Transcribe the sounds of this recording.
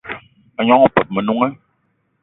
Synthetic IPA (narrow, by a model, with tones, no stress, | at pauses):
a˨ɲɔ̃˦ɔ˨pɛ˨p̚mɛ˨nũ˦ŋɛ˦